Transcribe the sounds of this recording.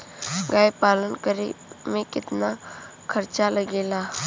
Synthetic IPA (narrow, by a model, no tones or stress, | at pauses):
ɡaːjpaːlənkəɾḭmẽkɪt̪na | kʰəɾt͡ʃaləɡeːlaː